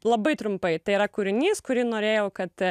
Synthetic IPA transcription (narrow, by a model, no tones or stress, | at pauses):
lˠɐbɐɪt̪ɾʊmpɐɪt̪ɐɪiɾɐkuːɾʲɪnʲiːskʊɾʲiːnoːɾʲeːjɛʊkɐt̪